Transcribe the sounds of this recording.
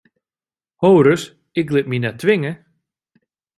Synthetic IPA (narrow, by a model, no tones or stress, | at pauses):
hoːɾəs | ɪklɪt̚minɛtʰːʋɪŋə